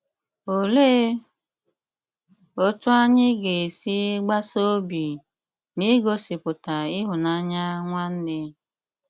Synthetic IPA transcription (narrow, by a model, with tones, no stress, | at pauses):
o˨le˦ | o˦tʊ˦a˦ɲɪ˦ɡe˨si˦ɡ͡ba˦so˦bi˨ | ni˦ɡo˦sɪ˨pʊ˨ta˨ɪ˦ɦʊ˨na˦ɲa˦ŋʷa˦n̩˦dɪ˦